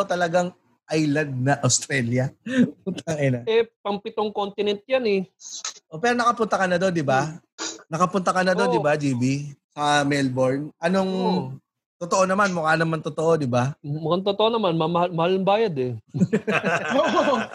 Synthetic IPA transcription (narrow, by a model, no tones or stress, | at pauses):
t̪ɐlɐɡaŋ | ʔajlɐd̪̚nɐʔɐwst̪ɾɛːljɐpʊt̪ɐŋɛnɐɛpɐŋpɪt̪oŋkont̪ɪnɛnt̪̚janɛʔopɛːɾonɐkɐpʊnt̪ɐkɐnɐd̪o̞nd̪ɪba | nɐkɐpʊnt̪ɐkɐnɐd̪o̞nd̪ɪbad͡ʒiːbisɐmɛlboɹnʔɐnoŋ | t̪ot̪oʔo̞nɐmanmʊkanɐmant̪ʊt̪oʔo̞d̪ɪbamʊkaŋt̪ot̪oʔonɐmanmɐmɐhamɐhalnɐmbaːjɐd̪ɛ | oʔ